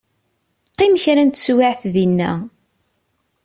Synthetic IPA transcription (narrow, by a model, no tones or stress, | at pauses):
qːɪməçɾænt̪swaʕθðinːæ̰